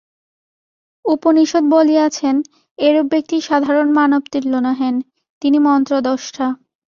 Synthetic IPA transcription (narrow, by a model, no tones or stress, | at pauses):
uponiʃod̪̚boliat͡ɕʰen | eɾobːek̚t̪iʃad̪ʱaɾonmanobt̪iɾlonaɦen | t̪inimɔnt̪ɾod̪ɔʃʈʰa